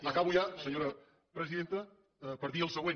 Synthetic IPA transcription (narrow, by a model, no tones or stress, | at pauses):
akaβuʒasəɲoɾɐ | pɾəziðent̪ə | pəɾðiəlˠsəɣwen